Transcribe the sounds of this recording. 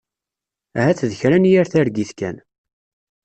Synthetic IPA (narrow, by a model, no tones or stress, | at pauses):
æɦæt͡sːðəçɾænjæɾθæɾɡiθkæ̰n